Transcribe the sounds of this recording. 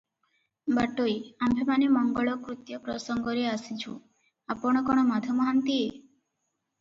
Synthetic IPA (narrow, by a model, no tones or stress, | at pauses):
baʈojambʱemanemɔŋɡɔɭɔkɾut̪jɔpɾɔsɔŋɡɔɾeasit͡ʃʰṵ | apɔɽ̃ɔkɔɽ̃ɔmad̪ʱɔmɔɦant̪ie